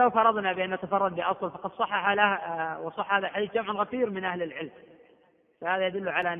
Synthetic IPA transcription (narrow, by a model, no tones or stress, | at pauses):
lawfɑɾˤːɑðˤnabɪʔanːat̪afɑrˤːɑd̪ˤbɪʔɑsˤlfɑqɑd̪sˤɑħːɑħalahwsˤɑħːhaːðalħad̪iːθd͡ʒamʕnɣaθiːɾmɪnʔahlɪlʕɪlm | fahaːðajad̪ʊlːʊʕala